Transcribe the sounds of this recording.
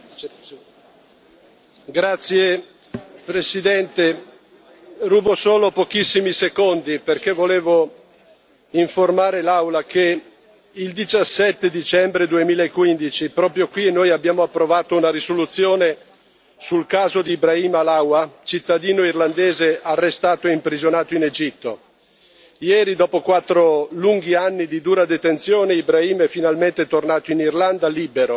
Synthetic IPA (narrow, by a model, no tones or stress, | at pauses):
ɡɾat̪sːje | pɾesid̪ɛnt̪e | ruːbosoːlopok̟isːimisekond̪iperkevːoleːvo | iɱformaːɾelawlake | ild̪it͡ʃasːɛt̪ːed̪it͡ʃɛmbɾed̪uemiːlaekːwind̪it͡ʃipɾɔːpɾjokwinːoːjabːjaːmoapːɾovaːt̪ounaɾisolut̪sːjoːne | sulkaːzod̪iːbɾaiːmalawat͡ʃit̪ːad̪iːnoirland̪eːzearːest̪aːt̪oeimpɾizonaːt̪oined͡ʒit̪ːo | jɛːɾid̪ɔːpokwat̪ːɾoluŋɡianːid̪id̪uːɾad̪et̪ent̪sjoːneibɾaiːmɛfinalment̪et̪ornaːt̪oinirland̪aliːbeɾo